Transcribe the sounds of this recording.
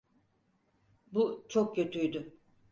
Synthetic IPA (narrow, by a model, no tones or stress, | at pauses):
but͡ʃʰok̚cʰø̞t̪ʰyjd̪ʏ